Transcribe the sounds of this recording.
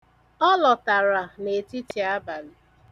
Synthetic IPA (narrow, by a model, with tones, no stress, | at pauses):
ɔ˦lɔ˨ta˨ɾa˨ne˨ti˦ti˨a˦ba˨lɪ˨